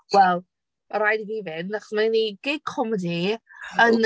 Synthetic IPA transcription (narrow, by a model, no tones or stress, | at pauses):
wɛlˠ | ɾajdiðivɪnːaχɔsmaniɡ̥ejkʰɔmədiən